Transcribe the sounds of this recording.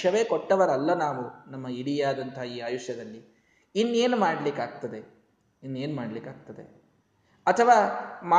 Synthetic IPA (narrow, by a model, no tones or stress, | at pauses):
ɐʋe̞ːkoʈːɐʋɐɾɐlːɐnaːʋunɐmːɐiɽijaːd̪ɐnt̪ʰɐɦiːaːjuʂjɐd̪ɐlːi | inːe̞ːnumaːɽɐlikaːɡ̚t̪ɐd̪e̞ | inːeːnmaːɽɐlikaːɡ̚t̪ɐd̪ḛ | ɐt̪ʰɐʋaːmaː